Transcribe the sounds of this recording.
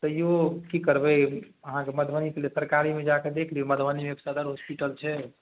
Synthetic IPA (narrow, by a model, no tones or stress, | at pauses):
t̪əjokikəɾbɛ | əɦãkeməd̪ʱbənikelesəɾkaɾimed͡ʒaked̪ekʰliuməd̪ʱbənimepsəd̪əɾɦospiʈəlt͡ʃʰɛ